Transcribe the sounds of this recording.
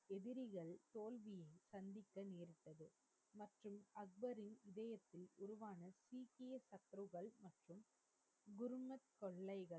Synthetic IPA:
ɛðɪɾɪɣɐɭt̪oːlʋɪjɐɪsɐnd̪ɪkːɐneːɾɪʈ̪ːɐðɯ | mɐʈrɯmɐɡ̚bɐɾɪnɪðɐjɐt̪ːɪlʊɾʊʋaːnɐsiːkejsɐt̪ːɾɯɣɐɭmɐʈrɯm | ɡʊɾɯmɐt̪̚kɔɭːɐɪɣɐɭ

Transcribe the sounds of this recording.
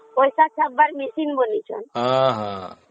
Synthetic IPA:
pojsat͡ʃʰɔk̚baɾmisinbonit͡ʃʰɔ̰nɦãɦã

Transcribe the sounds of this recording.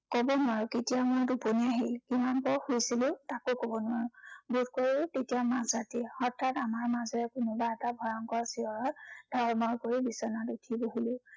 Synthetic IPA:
kɔbɔnaɹʊketijamʊjduponiaɦilkimankɔxujsilʊ̃takokɔbɔnʊwaɹʊbut̚koɹitetijamãszatiɔɹtʰːatamaɹmazɔɹɛkʊnʊbaɛtabʱɔɹɔŋkɔɹsiɔɹɔdʱɔɔmɔɹkoɹibisɔnatutʰiboɦilʊ̃

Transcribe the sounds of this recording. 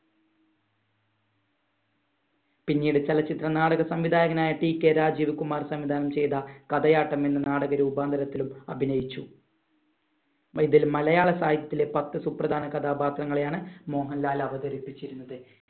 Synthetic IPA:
pinːiːɽet͡ɕelɐt͡ɕːit̪rɐnaːɽɐɣɐsɐmʋid̪ʱaːjɐɣɐnaːjɐʈiːkʲːeːɾaːd͡ʑiːʋɐkumaːrsɐmʋid̪ʱaːnɐmt͡ɕe̞jðɐkɐd̪ɐjaːʈːɐme̞nːɨnaːɽɐɣɐɾuːbaːnd̪ʱɐɾɐt̪ːilumɐbʱinɐjit͡ɕːu | iðilmɐlɐjaːɭɐsaːjid̪ɐt̪ːile̞pɐt̪ːɨsuprɐd̪ʱaːnɐkɐd̪ʱaːbaːt̪rɐŋːɐɭejaːɳɨmo̞ːɦɐnlaːlɐʋɐɣɐɾipːit͡ɕːiɾunːɐðɨ

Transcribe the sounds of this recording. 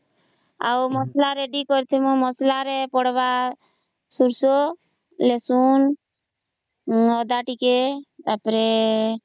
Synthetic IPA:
a̰umɔslaɾeɖikɔɾt̪ʰemõmɔslaɾepɔɽba | suɾso | lesun | ɔd̪aʈikeapɾe

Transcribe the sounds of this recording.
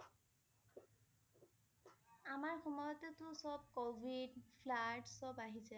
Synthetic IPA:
amaɹxɔmɔjɔtɛtʊsɔb̚kobʱidpʰlaɹʈsɔbaɦizɛ

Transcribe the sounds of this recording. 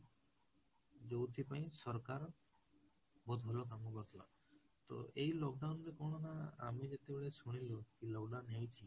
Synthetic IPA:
d͡ʒowt̪ʰipaĩsɔɾkaɾ | bod̪ʱɦolokamɔbat̪ʰla̰ | t̪o̰ejlɔkɖawnɾekoɽ̃ɔnaa̰mid͡ʒet̪ebeɭesuɽ̃ilukilɔkɖawnɦewt͡ʃʰi

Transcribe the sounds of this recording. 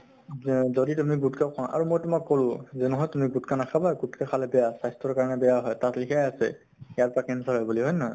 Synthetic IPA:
zoditumiɡutkakʰɔ̃ʔa̰ɹumojtʊmakːolʊ̃zɛnuɦɔjtumiɡutkanakʰabajɡutkakʰalɛbɛjasajstɹɔɹkaɹɔnɛbɛjaɦɔjtatlikʰajasɛ̰ | ɛjaɹpakɛnsaɦɔjbuliɦɔjna

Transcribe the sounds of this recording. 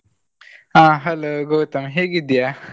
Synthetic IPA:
ãːɦɐloɡoːt̪ɐmɦeɡid̪ija

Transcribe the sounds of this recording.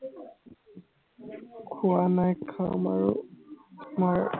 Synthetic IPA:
kʰʊanajkʰama̰ɹṵ | maɹ

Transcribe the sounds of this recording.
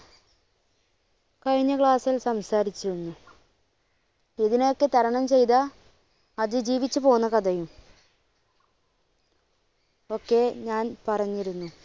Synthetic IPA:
kɐɻiɲːɐkɭaːsilsɐmsaːɾit͡ɕːiɾunːu | eðinejo̞kːe̞t̪ɐɾɐɳɐmt͡ɕe̞jt̪a | ɐðɨd͡ʑiːʋit͡ɕːɨpo̞ːɣunːɐkɐd̪ɐjum | o̞kːe̞ɲaːnpɐrɐɲːiɾunːu

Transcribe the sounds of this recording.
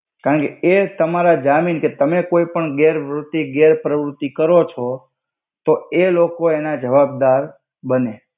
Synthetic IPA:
kaɾəɳkeet̪əmaɾad͡ʒaminket̪əmekoipəɳɡeɾʋɾʊt̪ːiɡeɾpɾəʋɾʊt̪ːikəɾot͡ʃʰo | t̪oelokoenad͡ʒəʋab̚d̪aɾ | bəne

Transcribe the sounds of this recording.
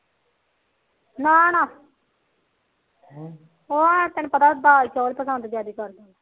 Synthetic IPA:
nãːnãː | oãt̪ɛnũːpət̪aːbaːt͡ʃoːlpəsənd̪d͡ʒjaːd̪iːkəɾd̪a

